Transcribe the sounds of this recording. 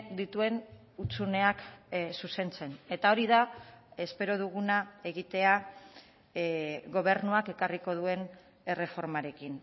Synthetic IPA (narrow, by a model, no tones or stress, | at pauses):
d̪it̪ue̞n | ut͡sune̞aksuse̞nt͡se̞ne̞t̪ao̞ɾiðae̞spe̞ɾo̞ð̞uɣ̞unae̞ɣit̪e̞a | ɣo̞β̞e̞ɾnuake̞kariko̞ð̞ue̞n | e̞re̞fo̞ɾmaɾe̞kin